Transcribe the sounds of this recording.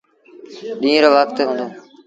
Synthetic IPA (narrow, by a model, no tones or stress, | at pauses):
ɗĩːɾoːʋəkt̪ɦũːnd̪oː